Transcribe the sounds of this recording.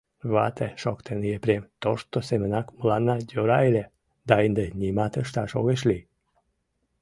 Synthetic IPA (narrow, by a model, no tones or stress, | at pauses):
βɑt̪eʃokt̪ʰenijepɾemt̪oʃt̪osemənɑkməlɑnːɑd̪ʲoɾɑelʲe | d̪ɑind̪enʲimɑt̪əʃt̪ɑʃo̰ɣeʃli